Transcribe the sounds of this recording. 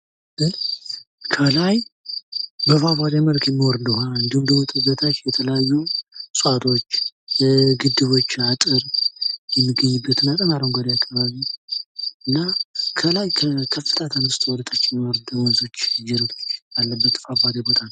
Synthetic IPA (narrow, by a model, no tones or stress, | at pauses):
ɡɨn | kʰəlaj | bəfaβad̪eməlkʰjɛmːiwɔɾɨnd̪əhaɨnd̪ɨnd̪umət̪ʼɨbːət̪ʰat͡ʃːjɛt̪ʰələjajːusʼat̪ʰo̞t͡ʃː | ɡɨd̪ːɨβo̞t͡ʃːat̪ʼɨɾjɛmːɨɡːəɲːɨbːət̪ɨnat̪ʼəmaɾəŋɡad̪jakʰːaβaβi | ɨnːakʰəlajkʰəkʰəfːɨt̪ʰʼat̪ʰamːɨst̪ʰwɔlət̪ʰat͡ʃːɛmːwɔɾɨd̪əwɔnsot͡ʃːjɛɾət̪ʰo̞t͡ʃːbalːəbːət̪fabad̪ebo̞t̪ʰan